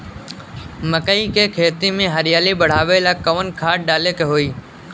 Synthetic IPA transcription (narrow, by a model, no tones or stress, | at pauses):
məkəiːkeːkʰeːt̪imẽːɦəɾɪjaːliːɓəɽ̤aːʋeːlaːkəʋənkʰaːʈ̚ɗaːleːkeɦoːiː